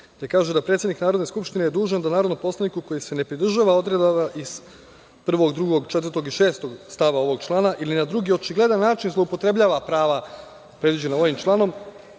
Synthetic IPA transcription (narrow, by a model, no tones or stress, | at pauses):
t̪ekaːʒed̪apɾet̪sʲed̪niknaːɾo̞d̪ne̞skupʃt̪inejed̪uːʒand̪anaːɾo̞d̪nompo̞slanikuko̞jise̞ne̞pɾid̪r̩ʒaːʋao̞d̪ɾed̪aʋaʔiz̥ | pr̩ʋo̞ɡd̪ɾuɡo̞ɡt͡ʃet̪vərt̪o̞ɡiʃe̞ːst̪o̞ɡst̪aʋao̞ʋo̞ɡ̚t͡ʃlˠaːnaʔilinad̪ɾuɡio̞t͡ʃiɡle̞d̪anːaːt͡ʃinzlˠoupo̞t̪ɾe̞bʎʲaːʋapɾaːʋa | pɾed̪ʋid͡ʑe̞nao̞ʋimt͡ʃlˠaːno̞m